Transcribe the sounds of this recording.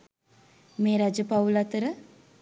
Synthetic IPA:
meːɾad͡ʒəpawlat̪əɾə

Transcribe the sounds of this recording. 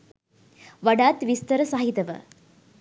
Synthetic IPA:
ʋɐɽaːt̪ʋist̪ɐɾɐsaːɦit̪ɐʋɐ̰

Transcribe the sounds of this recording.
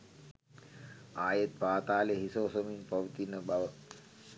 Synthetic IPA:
aːjet̪̚paːt̪aːleɦisoːsominpɐʋt̪inəbɐʋə

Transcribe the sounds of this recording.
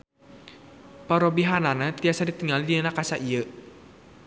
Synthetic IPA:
paɾobiɦananat̪iasadit̪əŋaldiənakasaʔiə

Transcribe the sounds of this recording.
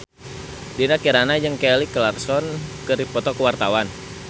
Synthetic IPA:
dinakiɾanad͡ʒəŋkɛlikəlarsɔnkəɾipɔt̪ɔkəwart̪awan

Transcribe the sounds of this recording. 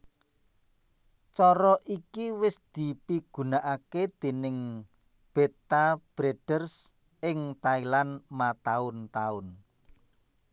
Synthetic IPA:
t͡ʃɔɾɔʔikiwɪsd̪̥i̤piɡ̥ṳnaʔaked̪̥e̤nɪŋ | b̥et̪ab̥ɾeɖ̥ərs | ɪŋt̪ailanmat̪aʊnt̪aʊn

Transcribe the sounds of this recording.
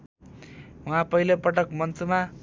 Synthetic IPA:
wʌɦãpʌɦilopʌʈʌkmʌnt͡suma

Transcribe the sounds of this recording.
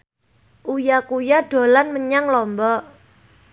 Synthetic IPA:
ʔujakujaɖ̥o̤lanməɲaŋlɔmbɔʔ

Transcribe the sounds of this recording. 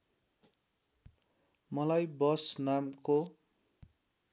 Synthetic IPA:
mʌlajbʌsnamko

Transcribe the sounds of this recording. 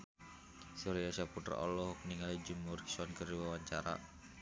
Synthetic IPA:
suɾiasaput̪ərɔ̰lɔhɔk̚niŋalid͡ʒumurki̥suankəriwawaɲt͡ʃaɾa̰

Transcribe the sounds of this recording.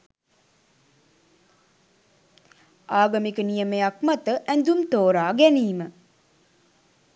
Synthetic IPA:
aːɡamikənijəmejak̚mat̪əʔænd̪umt̪oːɾaːɡæniːmə

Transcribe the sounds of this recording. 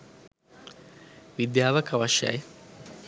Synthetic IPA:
ʋid̪jaːʋɐkɐʋaʃɐ̰j

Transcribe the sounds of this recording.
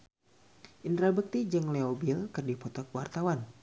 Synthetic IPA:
ʔint̪ɾabək̚t̪id͡ʒɨŋleobilkərdipɔt̪ɔkwart̪awan

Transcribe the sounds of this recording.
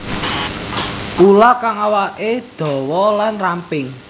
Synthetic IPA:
pulakaŋawaʔed̪̥ɔ̤wɔlanrampɪŋ

